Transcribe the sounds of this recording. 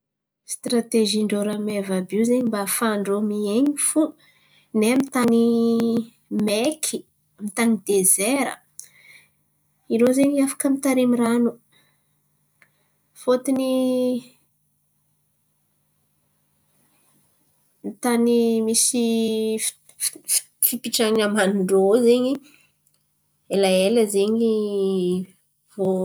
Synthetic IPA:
st̪ɾat̪eʒiɳɖ͡ʐoɾamevabiwzeɲimbafaɳɖ͡ʐomieɲifu | nemit̪ani | mekʰi | mit̪anid̪ezeɾə̰ | iɾozeɲafḁkəmit̪aɾimiranu | fot̪ini | nit̪animisi | fipiʈ͡ʂaɲiamanuɳɖ͡ʐozeɲi | elaeləzeɲi | vo

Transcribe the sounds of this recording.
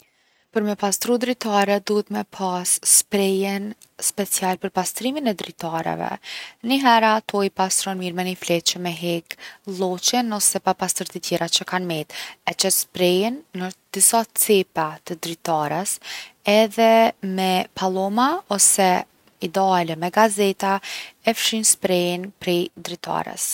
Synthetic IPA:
pəɾmɛpast̪ɾud̪ɾit̪aɾɛd̪uɦət̪mɛpʰasːpɾɛjɛn | spɛt͡sialpəɾpast̪ɾiminɛd̪ɾit̪aɾɛ̰vɛ̰niɦɛɾat̪ʰɔjipast̪ɾɔnmiɾmɛniflɛt͡ʃəmɛɦɛklˠɔt͡ʃɛnɔsɛpapast̪əɾt̪ət̪jɛɾat͡ʃəkanmɛt̪ɛt͡ʃɛspɾɛjɛnːəd̪̥isat͡sɛpat̪əd̪ɾit̪aɾəsɛðɛmɛpʰalˠɔmaɔsɛ | id̪ɛalɛmɛɡazɛt̪aɛfʃinspɾɛjnpɾɛjd̪ɾit̪a̰ɾə̰s

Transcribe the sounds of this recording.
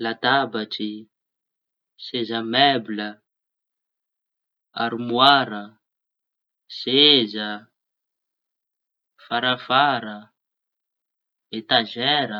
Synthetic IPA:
lat̪abaʈ͡ʂi | sezəmɛblə | aɾimwaɾə | sezə | faɾafaɾə | et̪aʒɛɾə

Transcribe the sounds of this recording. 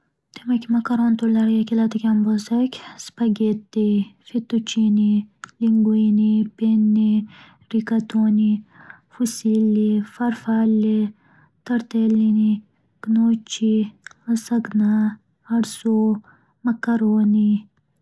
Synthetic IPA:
t̪imɐkimɐkɐɾoːnt̪olɐɾjakilat̪ɐkʲɐmbolsɐkʲspɐɡet̪ːefit̪ut͡ʃiniliŋɡuinipenːi | ɾikɐt̪oːni | fusiːlːifɐɾfaːle | t̪ɐɾt̪eːlːini | ɡ̥noːt͡ʃiɐsɐɡna | ɐɽso | mɐkɐɾoːni

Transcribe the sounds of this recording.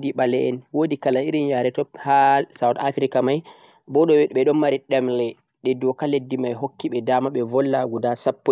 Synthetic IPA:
diɓalɛʔɛnwodikalaiɾinjaɾɛtɔphalsawtafɾikamaj | bɔɗɔwɛɓɛɗɔnmaɾiɗɛmlɛ | ɗɛdɔkaledːimajɦokːiɓɛdaːmaɓɛvɔlːaɡudasapːɔ

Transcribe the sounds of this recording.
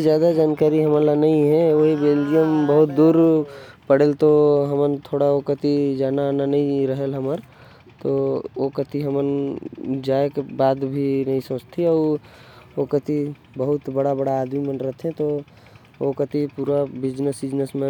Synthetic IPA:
zjaːd̪ad͡ʒaːnkaːɾiɦəməlanɐɦĩɦɛ̃oɦiweːlijəmbəɦʊt̪̚d̪uːɾpəɽelt̪oɦəmənt̪ʰoːɽaokət̪id͡ʒaːnananɐɦĩɾəɦelɦəməɾ | t̪ookət̪ʰiɦəmən | d͡ʒaːekebaːd̪bʱinɐɦĩsə̃ːt͡ʃt̪ʰiɔːɾ | okət̪i | bəɦʊt̪bəɽabəɽaːd̪mimənɾəɦt̪ʰɦɛ̃t̪o | okət̪ipuːɾabɪd͡ʒnəsɪd͡ʒnəsmẽ

